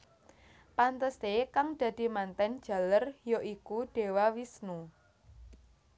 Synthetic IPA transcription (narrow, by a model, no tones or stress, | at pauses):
pant̪əst̪ekaŋd̪̥ä̤d̪̥i̤mant̪ɛn̥d͡ʒ̥ä̤lərjoʔikuɖ̥e̤wawisnu